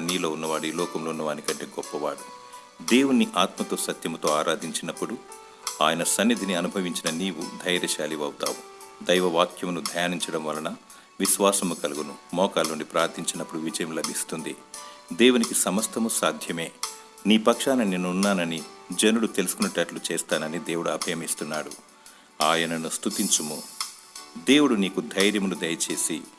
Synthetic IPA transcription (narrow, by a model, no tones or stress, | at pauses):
nːiːloːunːɐʋaːɽuiːlɔːkɐmloːunːɐʋaːnikɐɳʈeɡɔpːɐʋa̰ːɽu | d̪e̞ːwunːiʔaːt̪mɐt̪o̞ːsɐt̪jɐmut̪o̞ːaːɾʔaːd̪ʱiɲt͡ʃinɐpːuɽu | a̰ːjɐnɐsɐnːid̪ʱiniɐnubʱɐʋiɲt͡ʃinɐniːʋud̪ʱɐjɾɐʃaːliʋɐwt̪a̰ːʋu | d̪ɐjʋɐʋaːkʰjɐmnud̪ʱɐjaːniɲt͡ʃɐɽɐmʋɐlɐnɐ | ʋiʃʋaːsɐmukɐluɡunumɔːkaːloːnipɾaːɾt̪ʰiɲt͡ʃinɐpːuɽuʋid͡ʒɐjɐmlɐbʱist̪und̪id̪eːwunikisɐmɐst̪ɐmusaːd̪ʱjɐme̞ː | niːpɐkʂaːninenːuunːaːnɐnid͡ʒenuɽut̪elusukunɐʈɐːʈlut͡ʃeːst̪aːnɐnid̪eːwuɽuɐbʱɐjɐmist̪unːaːɽu | aːjɐnɐnust̪ut̪iɲt͡ʃumu | d̪e̞ːwuɽuniːkud̪ʱɐjɾjɐmunud̪ɐjɐt͡ʃe̞ːsi